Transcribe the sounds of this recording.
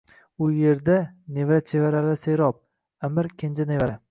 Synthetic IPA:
ʊje̞ɾd̪anevat͡ʃʰevaɾalɪseɾɒp̚ | amɪɾkʲʰend͡ʒanevaɾa

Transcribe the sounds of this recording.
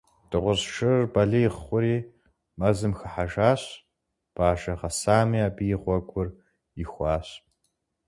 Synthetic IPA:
d̥ɨʁʷʊzʂʰɨrbɐɮɐjɪʁχʷʊɾiː | mɐzɨmxɐħaʒaːɕ | b̥aːʒɐʁɐsaːmiaːbijɪʁʷɔɡʷʊr | ɪxʷɑːɕ

